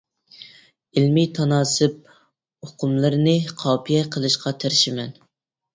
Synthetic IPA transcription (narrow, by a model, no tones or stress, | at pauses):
ɪlmit̪ʰɑnɑːsɨp̚ | oqʰʊmlˠɨɾnɨqʰɑːpʰijɛqʰəlˠɨʃqɑt̪ʰeɾɪʃɪmɛn